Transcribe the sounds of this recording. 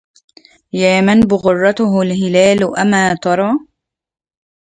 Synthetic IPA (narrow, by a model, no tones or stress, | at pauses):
jaːmanbʊɣʊrˤːɑt̪ʊɦlɦɪlaːlʔamaːt̪ɑɾˤɑː